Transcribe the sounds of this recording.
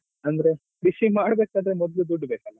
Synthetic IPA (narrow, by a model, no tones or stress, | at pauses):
ɐnd̪ɾe̞ | kɾiʃimaːɽbeːkaːd̪ɾemɔd̪lud̪uɖːbeːkɐlːa